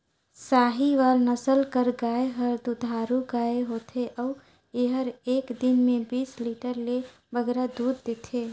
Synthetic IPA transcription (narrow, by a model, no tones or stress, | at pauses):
saɦiʋalnəsəlkəɾɡaeɦəɾd̪ud̪ʱaɾuɡaeɦot̪ʰeʔɔʊ | eɦəɾeːkd̪inmebisliʈəɾle | bəɡɾad̪ud̪ːet̪ʰe